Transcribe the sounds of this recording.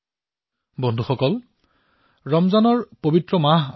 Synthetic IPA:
bɔndʱuxɔkɔl | ɹɔmzanɔɹpobitɹɔmaɦ

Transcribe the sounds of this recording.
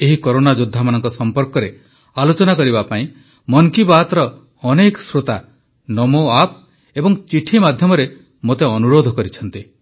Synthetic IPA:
eɦikɔɾonad͡ʒud̪ʱːamanɔŋkɔsɔmpɔɾkɔɾe | alot͡ʃɔnakɔɾibapaĩ | mɔŋkibat̪ɔɾɔː | nekɔ̥sɾot̪a | nɔmoap̚ | ebɔŋt͡ʃiʈʰimad̪ʱjɔmɔɾe | mot̪eɔnuɾod̪ʱɔkɔɾit͡ʃʰɔn̪t̪i

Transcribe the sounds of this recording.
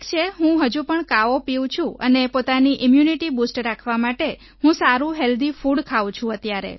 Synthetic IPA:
kt͡ʃʰeɦũɦəd͡ʒũpəɳkaopiw̃t͡ʃʰũənepot̪aniʔimjuniʈibusʈɾakʰʋamaʈe | hũsaɾũɦeld̪ifuɽkʰaʋw̃t͡ʃʰũət̪jaɾḛ

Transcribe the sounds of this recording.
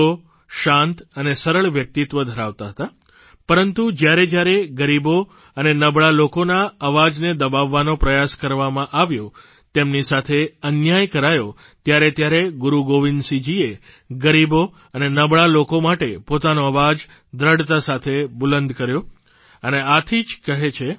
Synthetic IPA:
o | ʃãnt̪ənesəɾəɭʋjək̚t̪it̪ʋəd̪ʱəɾaʋt̪aɦət̪a | pəɾənt̪ud͡ʒjaɾed͡ʒjaɾeɡəɾibo | ənenəbɭalokonaəʋad͡ʒned̪əbaʋːanopɾəjaskəɾʋamãʔaʋjo | t̪emnisat̪ʰeənjajkəɾajo | t̪jaɾet̪jaɾeɡuɾuɡoʋinsid͡ʒie | ɡəɾibo | ənenəbɭalokomaʈepot̪anoəʋad͡ʒ | d̪ɾəɽt̪asat̪ʰebulənd̪kəɾjõ | əneat̪ʰid͡ʒkəɦet͡ʃʰe

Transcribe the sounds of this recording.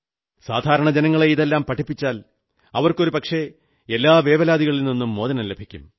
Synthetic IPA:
saːd̪ʱaːɾɐɳɐd͡ʑenɐŋːɐɭeiðelːaːmpɐʈʰːipːit͡ɕːaːl | ɐʋɐrko̞ɾupɐkʂe̞ | elːaːʋe̞ːʋɐlaːd̪iɣɐɭilninːumːo̞ːðɐnɐlːebʱikʲːṵm

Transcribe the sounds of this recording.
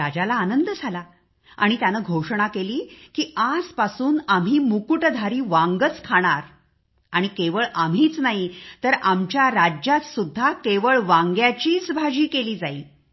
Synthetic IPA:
ad͡ʑalaːnənd̪əd͡zʱala | a̰ɽ̃it̪janəɡʱoʂɳ̃akeliːkiːad͡zpasuːnam̤iːmukuʈd̪ʱaɾiːʋãŋɡət͡skʰaɽ̃aɾ | aɽ̃ikeʋəɭam̤iːt͡snaɦit̪əɾamt͡ɕjaɾad͡ʑjat̪sud̪ʱːakeʋəɭʋaŋɡjat͡ɕiːt͡sbʱad͡ʑiːkeliːd͡zaiː

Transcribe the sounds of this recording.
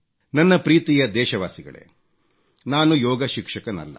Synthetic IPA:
nɐnːɐpɾiːt̪ijɐd̪ɛːʃɐʋaːsiɡɐ̰ɭḛ | naːnujɔːɡɐʃikʂɐkɐnɐ̰lːɐ̰

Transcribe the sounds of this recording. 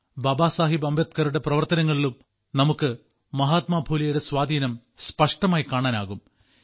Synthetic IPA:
bɐbaːsaːɦibɐmbʱjɐt̪̚kɐɾuɽe̞prɐʋɐrt̪ɐnɐŋːɐɭilum | nɐmukːɨ | mɐɦaːt̪maːbʱuːlɐjuɽe̞swaːd̪ʱiːnɐm | spɐʂʈɐmaːjkaːɳaːna̰ːɣum

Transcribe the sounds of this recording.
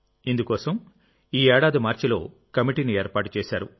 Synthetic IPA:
ind̪ukɔːsɐm | iːɛːɽaːd̪imaːɾt͡ʃilo̞ː | kɐmiʈiːnie̞ːɾpaːʈu̥t͡ʃeːʃaːɾu

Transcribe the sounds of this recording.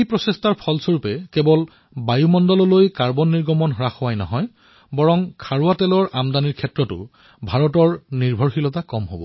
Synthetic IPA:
ejpɹɔsestaɹpʰɔlsoɹupɛkɛbɔl | bajumɔndɔlɔlojkaɹbɔnːiɹɡɔmɔnɦɔɹaxʊwajnɔ̰ɦɔj | bɔɹɔŋkʰaɹuatɛlɔɹʔamdaniɹkʰɛtɹɔtʊ̰ | bʱaɹɔtɔɹniɹbʱɔɹxilɔtakɔmɦobɔ̰

